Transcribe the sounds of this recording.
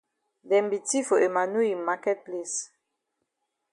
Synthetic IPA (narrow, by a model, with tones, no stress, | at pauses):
dɛ˨mbi˨ti˦fo˨e˨ma˨nu˦i˨ma˦kɛ˦t̚ple˨s